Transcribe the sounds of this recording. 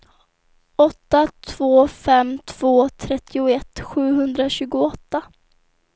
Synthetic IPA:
ɔt̪ːat̪ʰv̥oːfɛmt̪ʰv̥oːt̪ʰɾɛt̪ʰːɪʊɛt̪ːɧʉ̟ːɦɵnd̪ɾaɕʉ̟ːɡʊɔt̪ːa

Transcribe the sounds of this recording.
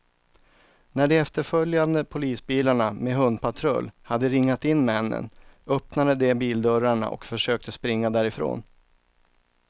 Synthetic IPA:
næɖɛɛft̪əɾfœljand̪əpʰʊliːsbiːlaɳameɦɵnd̪pʰat̪ʰɾœ̰lːhad̪ːəɾɪŋːat̪ɪnːmɛnːə̰nœpnad̪əd̪ɛbiːld̪œɾaɳa̰ʔɔ̰kfœʂøːk̚t̪əspɾɪŋːad̪æːɾɪfɾo̰ːn

